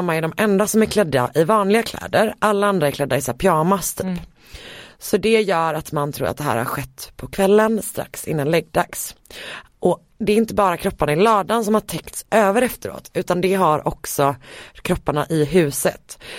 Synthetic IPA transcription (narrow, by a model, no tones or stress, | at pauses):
mːaɛɖɔmʔɛnd̪asɔmæɾkʰlɛd̪ːa̰ʔɪvɑːnlɪɡakʰlɛ̰ːd̪əɾʔalːaand̪ɾaɛɾkʰlɛd̪ːaɪsaːɾpʰjɑːmast̪ʰyːp | sɔd̪ɛjœːɾat̪mant̪ʰɾṵːɾ̰at̪̚d̪ɛɦæ̰ːɾha̰ɾɧɛt̪ːpʰɔkʰvɛlːənst̪ɾa̰ksɪ̰nːanlɛɡ̚d̪aks | ʔɔ | d̪ɛːɾɪnt̪əbɑːɾakʰɾɔpːanaɪlɑːd̪ansɔmhaʈʰɛkt̪sʔøːvəɾɛft̪əɾo̰ːt̪ʉ̟ːt̪and̪ɛɦaɾʔɔ̰ksɔkʰɾɔpːaɳaʔɪɦʉ̟ːsət̪